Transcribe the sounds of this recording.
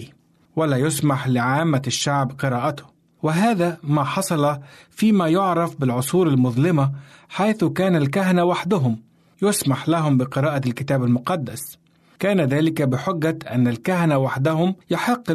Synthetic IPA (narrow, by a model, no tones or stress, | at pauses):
walaːjʊsmaħlɪʕaːmːaʃːaʕbqɨɾaːʔat̪ʊ̥ | wɪɦaːðamaħɑsˤɑlɑfiːmajʊʕɾˤɑfbɪlʕʊsˤuːɾalmʊðˤlɪmaħajθʊkaːnalkaɦanawaħd̪ʊɦʊm | jʊsmaħlaɦʊmbɪqɨɾɑːʔalkɪt̪aːbalmʊqɑd̪ːa̰s | kaːnaðaːlɪkabɪħʊɡːaʔa̰nːalkahanawaħd̪ahʊmjʊħɪqː